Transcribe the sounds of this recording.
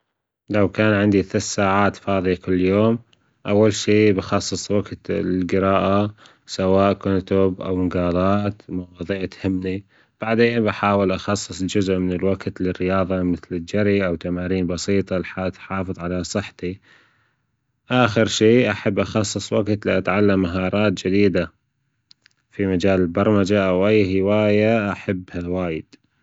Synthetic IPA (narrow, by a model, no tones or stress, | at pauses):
lawkaːnʕɪnd̪iθassaːʕaːt̪fɑːðˤijakʊlːjoːm | ʔawːalʃiːbɪxɑsˤːɨsˤwaɡt̪lɡɪɾɑːʔa | sawaːʔkʊnt̪ʊbʔa̰wɪŋɡɑːlˤɑːt̪mɑwɑːðˤiːʕt̪hɪmːni | b̥aʕd̪eːnbaħaːwɪlʔɑxɑsˤːɨsˤd͡ʒʊzʔmɪnɪlwaɡt̪lɪrːɪjɑːðˤɑmɪθlɪd͡ʒaɾiʔawt̪amaːɾiːnbɑsiːt̪ˤɑlħat̪ħɑːfɨðˤʕalasˤɨħt̪i | ʔaːxɪɾʃiːʔaħabːʔɑxɑsˤːɨsˤwaɡt̪liʔat̪ʕalːamːaɦɑːɾˤɑːt̪̚d͡ʒɪd̪iːd̪a | fimad͡ʒaːlɪlbɑɾˤmad͡ʒaʔawʔajːɦɪwaːjaʔaħabːhawaːjɪd̪̥